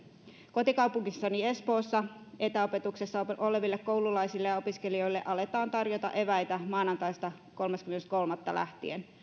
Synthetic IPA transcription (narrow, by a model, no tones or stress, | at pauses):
ko̞t̪ikɑwpuŋkisːɑnie̞spo̞ːsːɑʔet̪æope̞t̪ukse̞sːɑʔo̞le̞ʋilːekko̞wlulɑjsilːejɑo̞piske̞lio̞jlːe̞ʔɑle̞t̪ɑːnt̪ɑrjot̪ɑ̰ʔe̞ʋæjt̪æmɑːnɑnt̪ɑjst̪ɑ | ko̞lmɑskymenst̪̚ko̞lmɑt̪ːɑ̰læ̰ht̪ḭen